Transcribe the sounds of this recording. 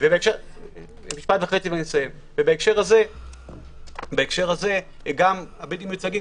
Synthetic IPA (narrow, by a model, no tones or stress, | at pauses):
vebaekʃe | miʃpatvaχe̞t͡sivanisojem | vebaekʃeʁhaze̞ | baekʃe̞ʁhaze̞ | ɡamabetimjut͡saɡi